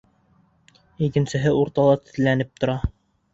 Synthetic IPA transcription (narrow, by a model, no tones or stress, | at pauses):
ikɘ̆nsɘ̆ɦɘuɾt̪ɑlˠɑt̪ɘ̥̆t̪̆lænɘp̚t̪ŏɾɑ